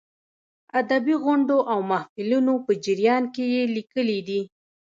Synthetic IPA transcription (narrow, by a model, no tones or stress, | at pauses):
ad̪abiɣʊɳɖoʔawmahfɪlunopəd͡ʒɪɾjɑnkejelikəlid̪i